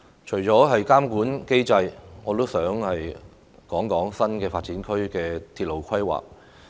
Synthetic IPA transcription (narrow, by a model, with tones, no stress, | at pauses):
t͡ʃʰɵ˨˩ɥt͡ʃɔː˨˥ɦɐ˨jkaː˥mkuː˨˥nke˥jt͡sɐ˧jŋɔː˨˧t̪o˥wsœː˨˥ŋhɐ˨j | kɔː˨˥ŋkɔː˨˥ŋsɐ˥nkɛː˧faː˧t̚t͡siː˨˥nkʰɵ˥ɥkɛː˧t̪ʰiː˧t̚lo˨˩wkʰɐ˥jwa̰ː˨˩k̚